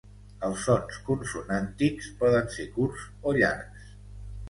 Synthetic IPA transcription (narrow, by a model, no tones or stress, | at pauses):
əlˠsɔnskunsunant̪ikspɔðənsekuɾz | oʎa̰ɾks